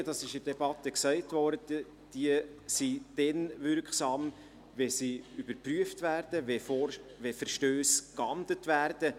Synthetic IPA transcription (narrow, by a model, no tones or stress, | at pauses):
dɑsɪʃəd̥ɛbɑtəksɛɪtvɔɾdəd | d̥iəsid̥ɛnvʏɾkχsɑːm | vɛsiybəɾpryəftvæːɾd̥əvɛfɔvɛfəɾʃtøːskɑndlətvæːɾd̥ə